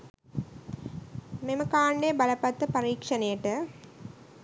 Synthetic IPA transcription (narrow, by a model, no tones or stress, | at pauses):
meməkaːɳɖebɐləpɐt̪ːəpɐɾiːkʂɐnejəʈə